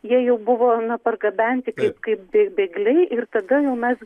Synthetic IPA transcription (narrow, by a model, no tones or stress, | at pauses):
jiɛjɛʊbʊʋoːnɐpɐrɡɐbʲɛnʲt̪ʲɪkɐɪpkɐɪp̚bʲebʲeːɡlʲɛɪʔɪrt̪ɐd̪ɐjɛʊmʲɛs